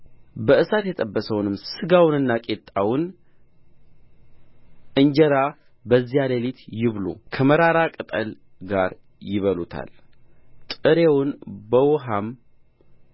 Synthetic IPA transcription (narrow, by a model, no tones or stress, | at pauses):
bəʔɨsat̪jɛt̪ʼəbːəsəwnɨmsɨɡawnɨnːakʼet̪ʼawʊn | ɨɲd͡ʒɛɾa | bəzːijaləlit̪jɪβlo̰kʰəməɾaɾakʼɨt̪ʼəl | ɡaɾ | jɪβəlut̪ʰa̰lt̪ʼɨɾewʊnbəwɦam